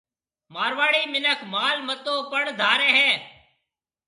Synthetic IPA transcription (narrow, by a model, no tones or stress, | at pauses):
maːɾʋaːɽiːmɪnəkʰmaːlmət̪õːpəɳd̪ʱaːɾɛːɦɛ̃ː